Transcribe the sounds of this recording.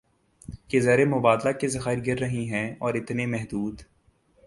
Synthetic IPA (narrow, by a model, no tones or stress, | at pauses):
kezɐɾemʊbaːd̪lakezɐxaːɪɾɡɪɾːɐɦiɦɛ̃ɔːɾɪt̪nemɛɦd̪uːd̪